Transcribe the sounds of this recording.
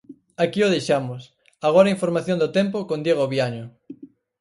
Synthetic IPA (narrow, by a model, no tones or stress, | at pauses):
akioðejʃamʊs | aɣ̞oɾaiɱfoɾmaθjõnd̪ʊt̪ɛmpokõnd̪jeɣ̞oβjaɲʊ